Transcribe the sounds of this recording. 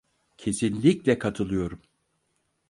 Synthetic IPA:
cʰe̞sinlʲiclʲɛkʰat̪ʰɯlˠɯjo̞ɾum

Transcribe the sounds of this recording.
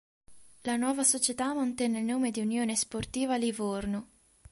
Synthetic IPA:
lanwɔːvasot͡ʃet̪amant̪ɛnːelnoːmed̪iunjoːnesport̪iːvalivorno

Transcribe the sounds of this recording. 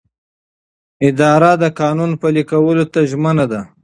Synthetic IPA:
ɪd̪ɑɾad̪əkɑnunpalikawəlot̪aʒmənad̪a

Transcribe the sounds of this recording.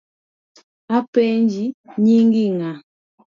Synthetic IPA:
apɛɲd͡ʒiɲiŋɡiŋa

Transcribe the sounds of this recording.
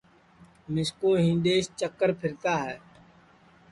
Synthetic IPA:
mɪskoːɦɪ̃nd̪eːʃt͡ʃəkːəɾpʰɪɾt̪aːɦɛː

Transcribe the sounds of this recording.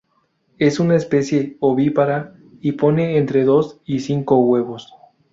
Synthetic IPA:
e̞sunaespe̞sje̞oβipaɾa | ipo̞ne̞ːnt̪ɾe̞ðo̞sisiŋkoɣwe̞βo̞s

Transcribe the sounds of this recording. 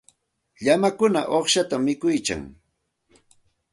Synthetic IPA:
ʎamakʊna̰ʔoχʃat̪amːɪkʊjka̰ŋ

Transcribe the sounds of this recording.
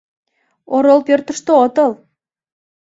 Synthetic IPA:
oɾolpørt̪ə̆ʃt̪oot̪əl

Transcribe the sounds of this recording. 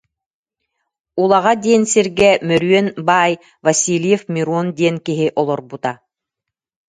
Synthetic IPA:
ulˠaʁad̪iɛnsiɾɡɛmœɾyœnbaːj | vɐsiːlʲjɛfmʲiɾuɔnd̪iɛnkiɦiʔɔlˠɔɾbut̪a

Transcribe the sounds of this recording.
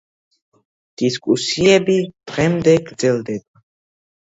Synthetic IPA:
d̪̥iskʼusiɛbid̪̥ʁɛmd̪ɛɡɾd̪zɛld̪ɛba

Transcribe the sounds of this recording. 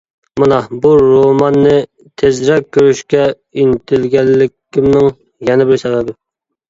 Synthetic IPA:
mɨnɑbuɾomɑnːɪ | t̪ʰezɾɛk̚ʲʰːøɾyʃkʲɛ | int̪ʰɪlɡʲɛlːɪkʲʰːɪmnɪŋ | jɛnɪbɪɾsɛvɛbɪ

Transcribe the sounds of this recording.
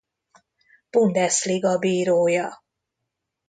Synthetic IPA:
b̥und̪ɛsliɡɒbiːɾoːjɒ

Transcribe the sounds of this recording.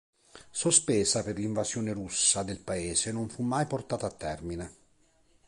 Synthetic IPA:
sospɛːsaperliɱvasjɔːneɾusːad̪elpaeːsenoɱfumːajport̪aːt̪aːt̪ːɛrmine

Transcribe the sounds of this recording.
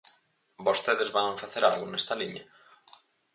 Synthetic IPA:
bost̪eðezβaɱfaθeɾalɣʊnest̪aliɲa

